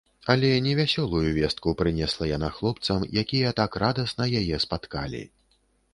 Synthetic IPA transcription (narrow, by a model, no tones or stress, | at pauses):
ɐlʲɛnʲɛvʲasʲɔlˠujuvʲɛst̪̚kupɾɨnʲɛslˠɐjanaxlˠɔp̚t̪sɐmjakʲijɐt̪akrad̪ɐsnɐjajɛspat̪kalʲḭ